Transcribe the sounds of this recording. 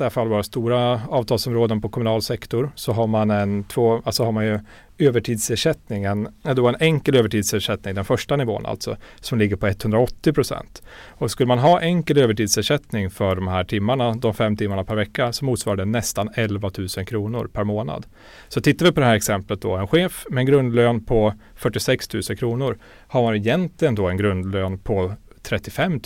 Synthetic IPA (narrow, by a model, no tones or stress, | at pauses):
æfalvɑːɾast̪uːɾaɑːvt̪ʰɑːlsɔmɾoːd̪ənpʰɔkʰɔmɵnɑːlsɛkt̪ɔɾsɔɦaɾmanɛnt̪ʰvoːalsɔhaɾmanjɵ | øːvəʈʰiːd̪seʂɛt̪nɪŋɛnd̪oɛnʔɛŋkəløːvəʈʰiːd̪seːʂɛt̪nɪŋd̪ɛnfœʂʈanɪvo̰ːna̰lt̪sɔ̰sɔmlɪɡːəɾpɔɛt̪ːhɵnd̪ɾaɔt̪ːɪpʰɾʊsɛ̰nt̪ɔskɵlːəmanɦɑːʔɛŋkəløːvəʈiːd̪seːʂɛt̪nɪŋfœɖɔmhæːʈʰɪmːaɳad̪ɔmfɛmːt̪ʰɪmːaɳapʰæɾvɛkːasɔmːuːt̪svɑːɾaɖ̪ənɛst̪anɛlvat̪ʰʉ̟ːsənkʰɾuːnʊ̰ɾpʰæɾmoːna̰d̪ | sɔt̪ʰɪt̪ːavɪpʰɔd̪ɛhæːɾɛksɛmplət̪̚d̪ɔɛnɧeːfmɛːnɡɾɵnd̪løːnpʰɔ | fœʈːɪsɛkst̪ʰʉ̟ːsənkʰɾuːnʊɾ | haɾmanɪjɛnt̪ʰlɪɡənd̪ɔɛnɡɾɵnd̪løːnpʰɔ | t̪ʰɾɛt̪ːɪfɛmː